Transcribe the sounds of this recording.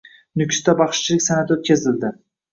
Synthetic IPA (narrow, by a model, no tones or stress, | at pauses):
nʊkʲʰst̪abɑχʃt͡ʃʰɪlɪkʲsanat̪ot̪̚kʲazɪld̪ɪ